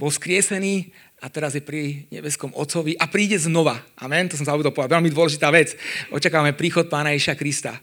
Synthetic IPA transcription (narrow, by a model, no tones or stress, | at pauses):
b̥ɔskɾɪɛsɛniː | at̪ɛɾazjɛpɾiɲɛ̰bɛskɔmɔ̰t̪t͡sɔʋiʔapɾiːɟɛznɔʋaʔa̰mɛnt̪ɔsɔmsaɔbud̪ɔlpɔʋaʋɛlmid̪ʊɔlɛʒit̪aːʋɛt͡sʔɔ̰t͡ʃakaːʋamɛpɾiːxɔt̪̚paːnajɛʒiʃakɾist̪a̰